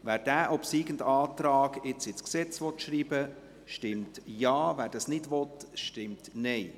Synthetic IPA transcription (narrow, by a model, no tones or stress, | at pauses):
ʋæːɾd̥æːʔɔpsiːɡ̥ən̩dɑːtɾɑːɡɪt͡sɪt͡sksɛt͡sʋɔt̪ʃɾiːbə | ʃtɪmtjɑːvæːɾd̥ɑsnɪdʋɔt̪ʃtɪmtnɛɪ